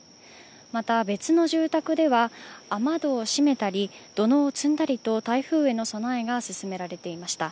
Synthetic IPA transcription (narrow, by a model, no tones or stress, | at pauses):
mat̪abe̞t͡sɨno̞ʑɨːt̪akɯ̟d̪e̞βaːmad̪o̞ːɕime̞t̪aɾʲid̪̥o̞no̞ːt͡sɨ̃nd̪aɾʲit̪o̞t̪aiɸɯ̟ːe̞no̞so̞naeɡasɨsɨme̞ɾaɾe̞t̪e̞imaɕi̥t̪a